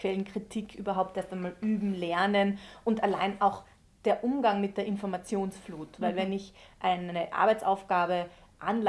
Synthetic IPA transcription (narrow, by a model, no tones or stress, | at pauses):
kv̥ɛlən̩kʁ̥itʰikʰʔyːbɐɦaʊp̚tʔeɐstaɪnmaːlʔyːbm̩lɛɐnənʔʊntala̰ɪnaʊx | d̥eːɐʔʊmɡaŋmɪt̚d̥eːɐɪnfɔɐmat͡sjoːnsfluːtvaɪlvɛnɪçʔaɪnəʔa̰ɐbaɪt͡saʊfɡ̥aːbəʔanl